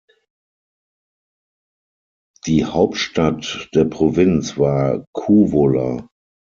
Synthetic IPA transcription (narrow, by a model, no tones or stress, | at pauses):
d̥iːhaʊp̚tʃtatd̥eːɐpʁ̥ovɪnsv̥aːɐkʰuːvolɐ̰